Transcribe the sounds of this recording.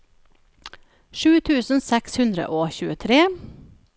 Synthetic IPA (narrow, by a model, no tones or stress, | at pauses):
ʃʉːt̪ʰʉːsn̩sɛkshʉnd̪ɾə̰ʔoːçʉːət̪ʰɾeː